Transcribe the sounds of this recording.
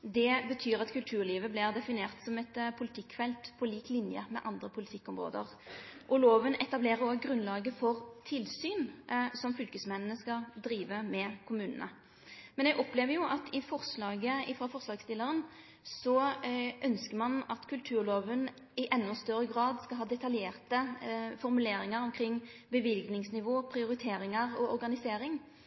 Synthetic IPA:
d̪ɛbət̪ʰyːɾɑt̪kʉlt̪ʰʉːʁliːʋəblɪʁd̪ɛfɪneːʁt̪sɔmɛt̪pʰʊlɪt̪ʰɪkːfɛlt̪pʰɔliːklɪnjə̰mɛ̰ʔɑnd̪ʁəpʰʊlɪt̪ʰɪkːɔmʁo̰ːd̪ə̰ʁ | ʔɔloːʋənɛt̪ɑbleːʁəɔɡʁʉnlɑːɡəfɔʁt̪ʰɪlsyːnsɔmfʏlkəsmɛnənəskɑd̪ɾiːʋəmɛkʰʊmʉːnə̰nə̰ | mɛnɛɡɔpleːʋəjʊʔɑt̪ʰɪfɔʁʂlɑːɡəɪfɾɑfɔʁʂlɑːɡst̪ɪlːəʁən | sɔʔœnskəmɑnɑt̪kʰʉlt̪ʰʉːɾloːʋən | ɪʔɛnːɔst̪œɾəɡɾɑːd̪skɑɦɑːd̪ɛt̪ɑljeːʁt̪əfɔʁmʉleːɾɪŋəɾɔmkʰɾɪŋːbəʋɪlɡnɪŋsnɪʋoːpʰɾɪʊɾɪt̪ʰeːɾɪŋəʁɔɔɾɡɑnɪseːɾɪŋ

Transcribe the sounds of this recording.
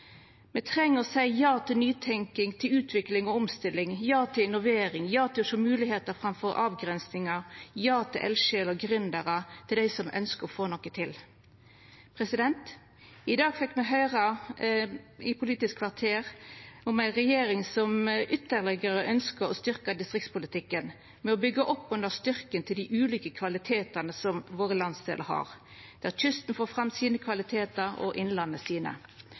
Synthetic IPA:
mɛt̪ʰʁɛŋːəsæɪjɑːt̪ʰɪlnyːt̪ʰɛŋkɪŋt̪ʰɪlʉːt̪ʰʋɪklɪŋɔɔmst̪ɪlːɪŋjɑːt̪ʰɪlɪnʊʋeːɾɪŋjɑːt̪ɪʃɔmʉːlɪheːt̪əfɾɑmfɔʁɑ̰ːʋɡʁɛnsnɪŋɑjɑːt̪ʰɪlʔɛ̰lʃeːlɔɡɾʏnd̪əʁət̪ʰɪld̪æɪsɔmʔœ̰nskəʁɔfoːnɔkːət̪ʰɪl | pʰʁɛsɪd̪ɛnt̪ | ɪd̪ɑːɡfɛkːmɛɦœʏʁə | ɪpʰʊliːt̪ɪskʰʋɑʁt̪ʰeːʁʊmæɪʁɛjeːɾɪŋsɔmʔʏt̪ːəʁlɛɡəʁəʔœnskəɾɔst̪ʏʁkəd̪ɪst̪ʁɪkt̪spʊlɪt̪ɪkːən | mɛɔbʏɡːəʔɔpːʉnd̪əʁst̪ʏʁkənt̪ʰɪld̪ɪʔʉːlyːkəkʰʋɑlɪt̪ʰeːt̪əʁnəsɔmʋoːʁəlɑnsd̪ḛːləhɑ̰ːʁd̪̥æːtʰʏst̪n̩foːfʁɑmːsiːnəkʰʋɑlɪt̪ʰeːt̪əɾɔ̰ʔɪnlɑnːəsiːnə̰

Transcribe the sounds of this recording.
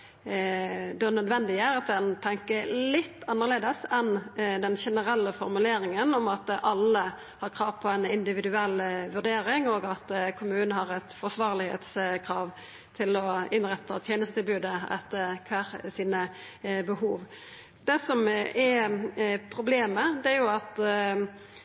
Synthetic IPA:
d̪ɛnœd̪ʋɛnd̪ɪəæɾɑt̪̚d̪ɛnt̪ʰɛŋkəlɪt̪ːɑnːəʁleːd̪əsɛnd̪ɛnʃɛnəɾɛlːəfɔɾmʉleːɾɪŋənɔmɑt̪ʔɑlːə | hɑɾkʰɾɑːʋpʰɔɛnɪnd̪ɪʋɪd̪ʉɛlːʋʉʁd̪eːɾɪŋɔːɡɑt̪kʰʊmʉːnnəhɑɾɛt̪fɔsʋɑːʁlɪɡhḛːt̪skʰɾɑːʋ | t̪ʰɪlɔɪnʁɛt̪ʰːət̪ʰjeːnəst̪ət̪ʰɪlbʉːd̪əɛ̰t̪ːəkʰʋæʁsiːnə | bəhuːʋ | d̪ɛsɔmɛ | pʰɾʊbleːməd̪ɛæɾjʊɑt̪

